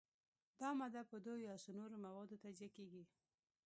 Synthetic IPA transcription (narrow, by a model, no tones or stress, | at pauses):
d̪ɑmad̪apəd̪ojɑsonoɾomawɑd̪ot̪ad͡ʒakeɡi